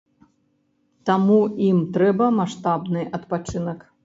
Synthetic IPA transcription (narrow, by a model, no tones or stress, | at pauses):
t̪amuimt̪ɾɛbɐmaʂt̪abnɨʔɐt̪pat͡ʂɨnɐk